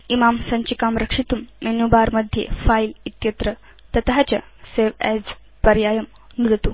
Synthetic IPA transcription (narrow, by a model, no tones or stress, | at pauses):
imamsɐɲt͡ɕikamɾəkʂit̪umːenubaɾməd̪ʱjḛfailit̪jət̪ɾə | t̪ɐt̪ɦat͡ɕa̰ | seʋɛd͡z | pɐɾjajəm | nud̪t̪u